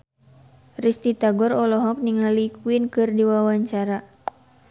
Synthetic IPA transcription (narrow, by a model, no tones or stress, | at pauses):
rist̪it̪aɡɔrɔlɔɦɔk̚niŋalikwinkɨrdiwawaɲt͡ʃaɾa